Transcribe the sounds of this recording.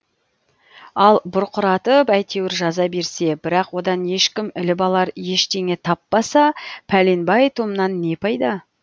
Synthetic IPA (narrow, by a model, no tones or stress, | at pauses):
ɑlˠbʊɾqʊɾɑt̪əpæjt̪ʰe̞wɪɾʒɑzɑbe̞ɾse̞bɪɾɑqwo̞d̪ɑnje̞ʃkʲɪmɪlɪbɑlˠɑɾje̞ʃt̪e̞ŋe̞t̪ʰɑpːɑsɑpʰælinbɑjt̪ʰomənɑnːe̞pʰɑjd̪ɑ